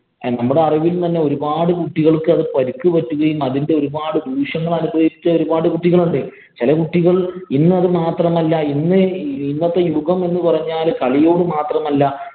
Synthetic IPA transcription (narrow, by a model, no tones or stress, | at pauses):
nɐmːuɽe̞ɐriʋilt̪ɐnːe̞o̞ɾubaːɽɨkuʈːiɣɐɭkːɨɐðɨpɐɾukːɨpɐtːuɣɐjumɐðinde̞o̞ɾubaːɽɨd̪ʱuːʂɐŋːɐɭɐnubrɐjiit͡ɕːɐo̞ɾubaːɽɨkuʈːiɣɐɭuɳɖɨ | t͡ɕilɐkuʈːiɣɐɭinːɨɐðɨmaːt̪rɐmɐlːɐinːɨinːɐt̪ːɐjuɣɐme̞nːɨpɐrɐɲːaːlkɐɭijo̞ːɽɨmaːt̪rɐmɐlːɐ